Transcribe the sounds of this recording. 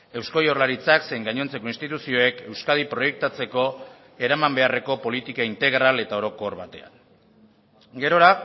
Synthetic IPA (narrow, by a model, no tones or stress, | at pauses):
e̞wsko̞jorlaɾit͡sakse̞ŋɡaɲo̞nt͡se̞ko̞inst̪it̪usio̞e̞ke̞wskað̞ipɾo̞je̞k̚t̪at͡se̞ko̞ | e̞ɾamambe̞are̞ko̞po̞lit̪ikaint̪e̞ɣɾale̞t̪ao̞ɾo̞ko̞ɾβat̪e̞̰a̰n | ɡe̞ɾo̞ɾa